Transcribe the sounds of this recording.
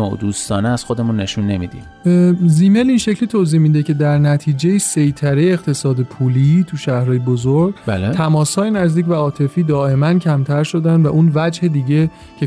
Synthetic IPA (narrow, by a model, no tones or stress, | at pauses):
oo̰d̪uːst̪ɒːneæz̥xod̪emunːe̞ʃunːe̞mid̪ḭm | ziːmeliːnʃe̞cʰlit̪ʰoziːhmiːd̪ecʰe̞d̪æɾnæt̪ʰiːd͡ʒejisejt̪ʰæɾejeeɣt̪ʰe̞sɒːd̪epʰuːliːt̪ʰuʃæhɾɒːjebozoɾɡlt̪ʰæmɒːshɒːjenæzd̪iːcvæɒːt̪ʰe̞fiːd̪ɒːe̞mæncʰæmt̪ʰæɾʃo̞d̪ænd̪væʔunvæd͡ʒhe̞d̪iːɟe̞ | cʰe